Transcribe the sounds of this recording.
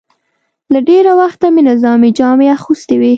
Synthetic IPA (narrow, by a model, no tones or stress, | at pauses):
laɖeɾawaxt̪amenɪzɑmid͡ʒɑmeaxust̪ewi